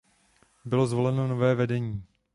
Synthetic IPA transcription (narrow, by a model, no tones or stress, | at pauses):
bɪlo̞zvo̞lɛnonovɛːvɛdɛɲiiː